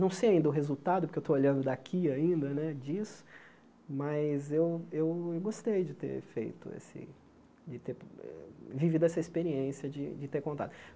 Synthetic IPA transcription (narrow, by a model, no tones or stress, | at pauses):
nɐ̃w̃sejaĩnd̪ɐʊɦezut̪ad̪ʊpʊɾkewt̪ooʎɐ̃nd̪ʊd̪akʰiaĩnd̪ɐnɛd͡ʒisʊ̥ | mɐzewewewɡost̪ejd͡ʒɪt̪ḛɾfḛjt̪ʊḛsɪ̰ | d͡ʒɪt̪eɾɛ̰vivid̪ʊɛsɐispeɾiẽsjɐd͡ʒɪd͡ʒɪt̪eɾkõnt̪a̰d̪ʊ